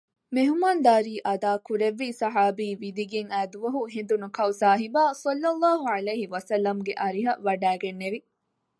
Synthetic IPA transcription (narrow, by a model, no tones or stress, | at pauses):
meɦumand̪aːɾiːʔɐd̪aːkuɾeʋːiːsɐɦaːbiːʋid̪iɡeŋæːd̪uʋɐɦuɦend̪unukɐusaːɦibaːsɐlːɐlˠˤːaːɦuʕɐleːɦiʋɐsɐlːɐmɡeʔɐɾiɦɐʋɐɖæːɡenːeʋi